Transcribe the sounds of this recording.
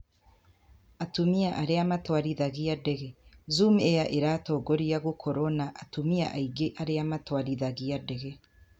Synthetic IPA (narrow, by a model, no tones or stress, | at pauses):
atumiaʔaɾeamatwaɾiðaɣijadeɣezumejaʔeɾatoɡoɾijaɣokʰoɾonaʔatumia̰ʔaiɡeʔaɾeamatwaɾiðaɣiadeɣe